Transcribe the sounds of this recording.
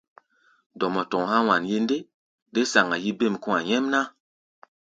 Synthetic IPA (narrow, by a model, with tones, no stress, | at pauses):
dɔ˨mɔ˨tɔ̃˨ŋha˦w̃a˨nje˦nde˦ | nde˦sa˨ŋa˨ji˦be˦˨mkũ˦a˨ɲɛ˦mna˦